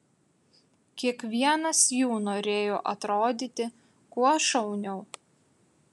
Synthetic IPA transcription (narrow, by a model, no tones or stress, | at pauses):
kʲiɛkʋʲiɛnɐsjuːnoːɾʲeːjoːʔɐt̪ɾoːd̪ʲɪt̪ʲɪ | kuɔʃɐʊnʲɛʊ